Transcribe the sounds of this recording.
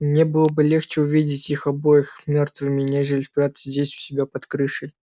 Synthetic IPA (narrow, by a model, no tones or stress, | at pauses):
nʲebɨlˠəbɨlʲext͡ɕɪʊvʲidʲɪtʲixɐbojəxmʲo̞rt̪vɨmʲɪnʲeʐɨlʲɪspɾʲat̪səzʲdʲesʲʊ̥sʲɪbʲapɐt̪kɾɨʂɨjʲ